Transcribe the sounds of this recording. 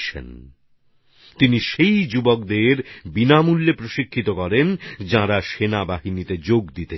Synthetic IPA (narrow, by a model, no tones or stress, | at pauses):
ḛn | t̪iniʃejd͡ʑubok̚d̪eɾbinamulːepɾoʃikʰːit̪okɔɾend͡ʑãɾaʃenabaɦinit̪ed͡ʑoɡd̪it̪e